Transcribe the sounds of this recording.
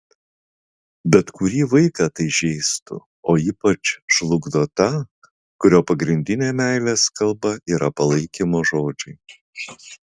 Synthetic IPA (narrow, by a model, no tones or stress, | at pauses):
bʲɛt̪kʊɾʲiːʋɐɪkɑːt̪ɐɪʒʲɛɪst̪ʊ̰ | oːiːpɐt͡ʃʃlˠʊɡd̪oːt̪ɐ | kʊɾʲoːpɐɡɾʲɪnʲd̪ʲɪnʲeːmʲæˑɪlʲeːskɐlˠbɐʔiːɾɐpɐlˠɐɪkʲimoːʒoːd͡ʒʲʊɪ